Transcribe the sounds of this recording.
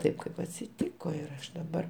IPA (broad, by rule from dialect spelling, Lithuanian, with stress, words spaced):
ˈtɐɪp kɐɪp ɐtʲsʲɪˈtʲiːkoː ɪr ˈɐʃ dɐˈbɐr